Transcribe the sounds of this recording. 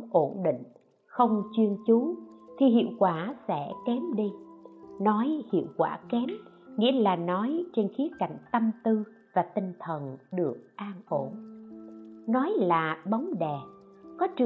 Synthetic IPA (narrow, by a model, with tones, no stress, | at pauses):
ʔo˧˩nɗḭ̈˧˨ŋ̟ | xə˧wŋ͡mt͡ɕwi˧ənt͡ɕu˨˦t̪ʰi˨˩ɦḭ˧˨əwkwaː˧˩sɛ̰˧˩kɛ˨˦mɗi˧nɔ˨˦jhḭ˧˨əwkwaː˧˩kɛ˨˦m | ŋḭ˧˥əlaː˨˩nɔ˨˦jt͡ɕe˧nxi˨˦əka̰˧˩jŋ̟t̪ə˧mt̪ɨ˧ | vaː˨˩t̪ï˨˩ŋ̟t̪ʰə˨˩nɗɨ˨˩ək̚ʔaː˧nʔo˧˩n | nɔ˨˦jlaː˨˩ɓa˨˦wŋ͡mɗɛ˨˩kɔ˨˦t͡ɕɨ˨